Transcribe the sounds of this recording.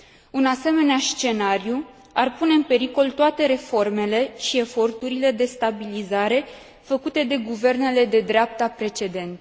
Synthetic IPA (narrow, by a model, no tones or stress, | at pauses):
unase̞me̞neast͡ʃe̞naɾju | arpune̞ɨnpe̞ɾiko̞lt̪oat̪e̞ɾe̞fo̞rme̞le̞ʃie̞fo̞rt̪uɾile̞d̪e̞st̪abilizaɾe̞ | fəkut̪e̞d̪e̞ɡuve̞rne̞le̞d̪e̞d̪ɾeap̚t̪apɾe̞t͡ʃe̞d̪e̞nt̪